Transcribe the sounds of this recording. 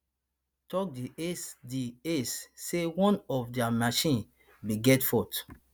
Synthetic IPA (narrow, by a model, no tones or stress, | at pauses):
tɔk̚diediessewɔ̃nɔfdɛamaʃĩn | biɡɛtfɔt